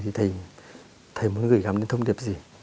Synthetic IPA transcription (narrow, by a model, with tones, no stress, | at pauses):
di˧˦t̪ʰa˧j | t̪ʰə˧jmu˨˦nɡɯ˨˩ɡa˨mdi˧˦nt̪ʰo˧wnɡe˨˩p̚zi˧